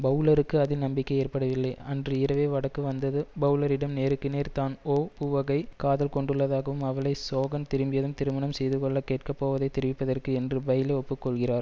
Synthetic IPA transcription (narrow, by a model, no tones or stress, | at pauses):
bɐʊlɐɾɯkːɯɐðɪnɐmbɪkːɐɪeːrpɐɽɐʋɪlːɐɪɐndrɯɪɾɐʋeːʋɐɽɐkːɯʋɐnd̪ɐðɯbɐʊlɐɾɪɽɐmneːɾɯkːɯneːɾt̪aːnoːpuːʋɐɣɐɪkaːðɐlkɔɳɖɯɭːɐðaːɣɐʋɯmɐʋɐɭɐɪsoːɣɐnt̪ɪɾɯmbɪjɐðɯmt̪ɪɾɯmɐɳɐmsɛjðɯkɔɭːɐkeːʈ̚kɐpːoːʋɐðɐɪt̪ːɛɾɪʋɪpːɐðɐrkɯɛndrɯbɐjɪleɔpːɯkːɔɭɣɪraːɾ